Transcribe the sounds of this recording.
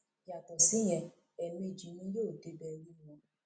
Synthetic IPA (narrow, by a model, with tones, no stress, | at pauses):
ja˨tɔ˨si˨˦j̃ɛ̃˧ | ɛ˨nũ˧˦e˨d͡ʒi˨nĩ˦je˦o˨te˦bɛ˧ɾi˦˨ɔ̃˧˦